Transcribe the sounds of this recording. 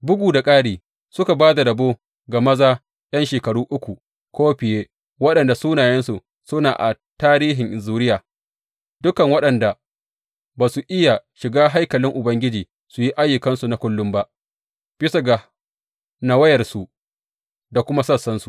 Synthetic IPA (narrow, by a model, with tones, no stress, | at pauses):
bʊ˦ɡʷuː˨da˨kʼaː˦ɽiː˨ | sʊ˦ka˨baː˦da˨ɾɐ˨boː˦ | ɡa˨mɐ˦zaː˦ | j̰ɐ˦nʃeː˨kɐ˨ɽuː˦ʔʊ˦kʷu˨ | kʷoː˦ɸɪ˨jeː˦ | wɐ˦ɗɐ˨nda˨suː˦naː˨jɛ˦nsu˨ | sʊ˦naː˨ʔa̰˨ | taː˦ɾiː˦ɦɪ˨ŋʔɪ˨zuː˦ɾɪ˦jaː˨ | dʊ˦kɐ˨ŋwɐ˦ɗɐ˨nda˨ | baː˨su˨ʔɪ˦ja˨ʃɪ˨ɡaː˦ɦa˦jkɐ˨lɪ˦ŋʔʊ˨bɐ˦ŋɡʲɪ˦d͡ʒiː˨ | su˨ji˦ʔa˦jːʊ˨kɐ˦nsu˨na˦kʷʊ˦lːʊ˦mba˦ʔ | ɸɪ˦sɐ˨ɡa˨ | na˦wɐ˦jɐ˨rsu˨ | da˨kʷʊ˦ma˦sɐ˦sːɐ˦nsu˨